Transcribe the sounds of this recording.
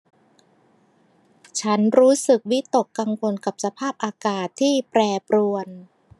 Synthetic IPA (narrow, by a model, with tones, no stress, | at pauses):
t͡ɕʰa˦˥nɾuː˦˥sɯ˨˩k̚wi˦˥t̪o˨˩kːa˧ŋkʰo˧nka˨˩p̚sa˧pʰaː˥˩p̚ʔaː˧kaː˨˩t̪ʰːiː˥˩pɾɛː˧pɾu˧ən